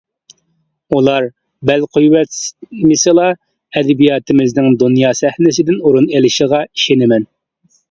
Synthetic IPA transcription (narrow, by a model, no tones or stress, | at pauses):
ulˠɑɾ | bɛlqʰojwɛt̪mɪselˠɑ | ɛd̪ɪbijɑːt̪ʰɪmɪznɪŋd̪unjɑːsɛhnɪs̬ɪd̪ɪnuɾunelɪʃəʁɑi̥ʃenɪmɛn